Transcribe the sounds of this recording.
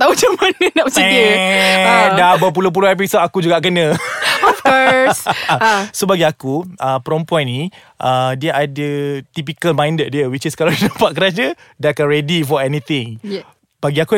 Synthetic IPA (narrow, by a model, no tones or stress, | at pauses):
t̪aut͡ʃəmanənapsiɛi | dabəp̬ulop̬uloɛp̬isotakud͡ʒuɡaʔkənə̃ɔfkɔs | sobaɡiakuʔəpəɾɔmpuanːĩ | ʔadiəʔadət̪ip̬ikəlmãjndət̚diəwit͡ʃiskalawdinapaʔ̚kəɾad͡ʒədakaɹɛdifɔɛnit̪ɪ̃ŋ | b̥aɡiaku